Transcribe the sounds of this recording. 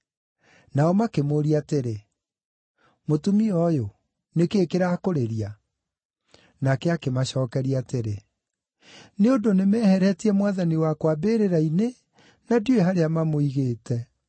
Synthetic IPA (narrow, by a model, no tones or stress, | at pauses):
naɔmakemoɾiateɾe | motumiɔjo | nekeːkeɾakoɾeɾia | nakɛakemaɕɔːkɛɾiateɾe | neodonemɛhɛɾɛtiɛmwaðaniwakwabeːɾeɾaine | nadjoeɦaɾeamamoiɣeːtɛ